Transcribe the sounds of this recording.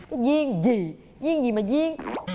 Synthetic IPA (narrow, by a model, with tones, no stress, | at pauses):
kaː˨˦jzi˧əŋzi˨˩ | zi˧əŋzi˨˩maː˨˩zi˧əŋ˧